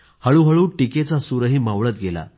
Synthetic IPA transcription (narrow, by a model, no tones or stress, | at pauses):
həɭuɦəɭuːʈiket͡sasuɾəɦiːmaʋɭət̪ɡela̰